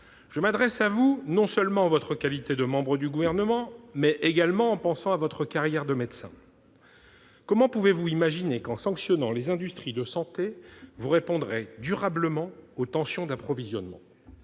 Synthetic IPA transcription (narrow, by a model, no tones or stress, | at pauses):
ʒ̥əmad̪ʁɛsavunɔ̃sœlmɑ̃avɔt̪χəkalit̪ed̪əmɑ̃bʁəd̪yɡuvɛʁnəmɑ̃mɛʔeɡalmɑ̃ːpɑ̃sɑ̃avɔt̪χəkaʁjɛʁd̪əmed̪sɛ̰̃ | kɔmɑ̃puvevuimaʒinekɑ̃sɑ̃ksjɔnɑ̃lezɛ̃d̪yst̪χid̪əsɑ̃t̪evuʁepɔ̃d̪ʁɛd̪yʁabləmɑ̃ot̪ɑ̃sjɔ̃d̪apχɔvizjɔ̰nmɑ̰̃